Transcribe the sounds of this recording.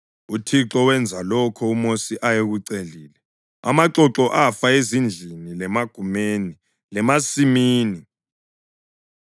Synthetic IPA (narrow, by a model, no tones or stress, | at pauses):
utʰiǁɔwɛnd͡zʱalɔkʰɔumosiʔajeɣuǀeliːlɛ | a̰maǁɔǁɔʔafaezind͡ɮʱinilɛmaɡ̥ʱumeni | lɛmasimiːni